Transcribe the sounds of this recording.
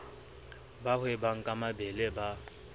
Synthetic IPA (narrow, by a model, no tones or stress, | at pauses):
bahʊebaŋ̩kʼamabɛleba